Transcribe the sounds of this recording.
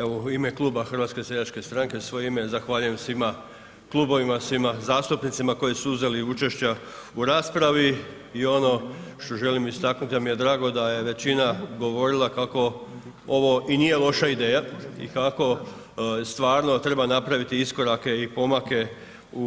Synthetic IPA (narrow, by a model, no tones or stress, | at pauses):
eʋoime̞klˠuːbaxr̩ʋat̪ske̞seʎat͡ʃke̞st̪ɾaŋkesʋo̞jeime̞zaxʋaːʎuje̞msʋima | klˠuːbo̞ʋimasʋimazaːst̪upnit̪simako̞jisuuze̞liut͡ʃe̞ʃt͡ɕa | uɾaːspɾaʋi | io̞no̞ʃt̪o̞ʒe̞limist̪aknut̪imije̞d̪ɾaːɡo̞d̪aje̞ʋe̞t͡ɕinaɡo̞ʋo̞ɾilˠakako̞ | o̞ʋo̞ʔinije̞lˠo̞ʃaid̪e̞ːjaḭkako̞ | st̪ʋaːɾno̞t̪ɾe̞banapɾaʋit̪iisko̞ɾake̞ipo̞make̞ | u